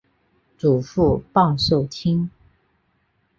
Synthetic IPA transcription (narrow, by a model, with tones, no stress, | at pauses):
t͡su˨˩fu˥˧pɑ˥˧ŋʂo˥˩ʊt͡ɕʰi˥ŋ